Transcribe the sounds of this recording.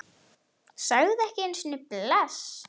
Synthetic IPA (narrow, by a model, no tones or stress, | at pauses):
sœɣðɛhcɪejnsinːɪplɛs